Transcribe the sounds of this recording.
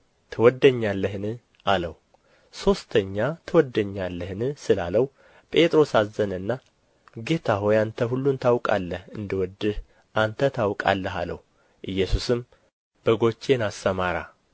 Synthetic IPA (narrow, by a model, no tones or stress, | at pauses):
t̪ʰəwɔd̪ːəɲːalːəhɨnɨ | ʔaləw | so̞st̪ʰəɲːat̪ʰəwɔd̪ːəɲːalːəhnɨsɨlaləw | pʼe̞t̪ʼɾo̞sazənɨnːa | ɡe̞t̪ʰaɦojant̪ʰəɦulːunt̪ʰawkʼa̰lːəhɨnd̪əwɔd̪ːɨh | ʔant̪ʰət̪ʰawkʼa̰lːəɦa̰lə̰hu | ʔɨjːɛsusɨm | b̥əɡo̞t͡ʃːe̞nasːəmaɾa̰